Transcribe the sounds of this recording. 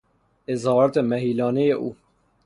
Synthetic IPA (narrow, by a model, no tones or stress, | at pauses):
ezhɒːɾɔt̪emæɦiːlɒːnejeʔṵː